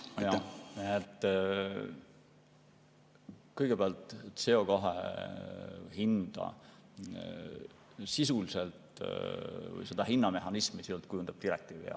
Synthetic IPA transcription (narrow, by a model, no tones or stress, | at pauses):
ɑjjɑet̪ːˑ | kɤjɡ̥e̞beɑlt̪ˑse̞o̞koɦḛ | hind̪̥ɑ̰ | sisuliselt̪ | vɯ̰jse̞d̪̥ɑɦinːɑme̞ɦɑnismisilt̪̚kujund̪ɑb̥̚t̪iɾek̚t̪iːvḭɑ̰